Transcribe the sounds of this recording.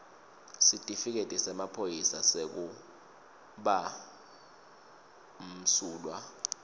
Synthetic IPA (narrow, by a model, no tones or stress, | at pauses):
sitʼifik̬etʼɛsɛmapʰojisasek̬u | ɓa | m̩suːlwa